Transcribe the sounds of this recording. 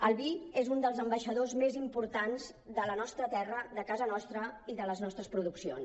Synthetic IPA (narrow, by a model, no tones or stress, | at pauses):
əlˠβiezund̪əlˠzəmbəʃəðozmezimpuɾt̪anz | ðələnɔst̪ɾət̪ɛrəðəkazənɔst̪ɾəiðələznɔst̪ɾəspɾuðuksio̰ns